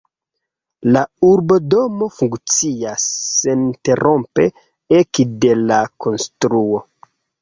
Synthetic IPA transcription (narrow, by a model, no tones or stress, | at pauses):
lauɾbo̞do̞mo̞fuŋkt͡siasːente̞ɾo̞mpe̞ | ekde̞lakʰo̞nstɾuo̞